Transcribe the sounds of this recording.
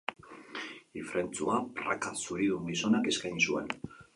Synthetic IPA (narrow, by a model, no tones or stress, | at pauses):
ifɾʔe̞nt͡suapra̰kasuɾiðumɡiso̞nake̞skajnsue̞̰n